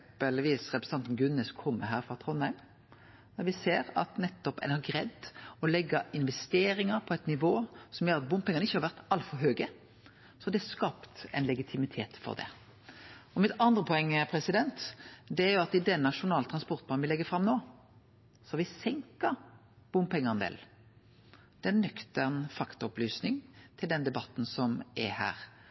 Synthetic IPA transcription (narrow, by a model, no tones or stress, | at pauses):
pəlʋiːsɾɛpɾsə̥ɑnt̪n̩ɡʉnəskʰɔmːəɦæːɾfʁɑt̪ʰɾɔnæɪm | d̪æɾʋɪseːɾɑ̰t̪nɛt̪ːɔpɛ̰nɑɡɾɛd̪ːɔlɛɡːɑɪnʋɛst̪eːɾɪŋəɾpʰɔɛɪt̪nɪʋoːsɔmjøːɾɑt̪̚bʊmpɪŋːənɪçːəhɑɾʋæʁt̪ɑlfɔɾɦøːɡə | sɔd̪ɛæskɑːpt̪ɛ̰ɪnlɛɡɪt̪ʰɪmɪt̪ʰeːt̪fɔ̰ʁd̪ɛ̰ | ɔmɪt̪ɑnd̪ʁəpʰɔɛŋːəpʰɾɛsɪd̪ɛnt̪d̪ɛæɾjʊɑt̪ɪd̪ɛnːɑʂʊnɑːlt̪ʰʁɑnspɔʁt̪̚bʰɑːnʋɪlɛɡːəfɾɑmnoː | sɔɑʋɪsɛŋkɑ | b̥ʊmpʰɛŋːənd̪ḛːl | d̪̥ɛnːœkt̪əʁnfɑkt̪ɑɔplyːsnɪŋt̪ʰɪld̪ɛnd̪ɛbɑt̪ːn̩sɔmɛhæ̰ːɾ